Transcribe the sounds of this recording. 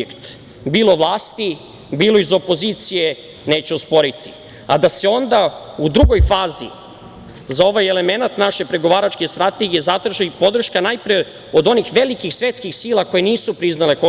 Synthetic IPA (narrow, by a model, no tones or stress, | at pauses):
ekt̪ | biːlˠo̞ʋlˠaːst̪i | biːlˠoizo̞po̞zit̪sije | ne̞ːt͡ɕeospo̞ɾit̪i̥ | a̰d̪ase̞o̞nd̪aud̪ɾuɡo̞jfaːzḭ | zao̞ʋajele̞me̞nat̪naʃe̞pɾe̞ɡo̞ʋaːɾat͡ʃke̞st̪ɾat̪e̞ɡije̞zat̪ɾaʒaipo̞d̪r̩ʃkanajpɾie | od̪o̞nixʋe̞likixsʋet̪skixsiːlˠako̞jeniːsupɾiznale̞ko